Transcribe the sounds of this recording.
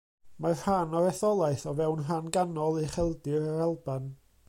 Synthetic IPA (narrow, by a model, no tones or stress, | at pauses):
mar̥hanɔɾɛθɔlˠajθɔvɛwnɦanɡanɔlˠiχɛlˠdɪɾaɾalˠban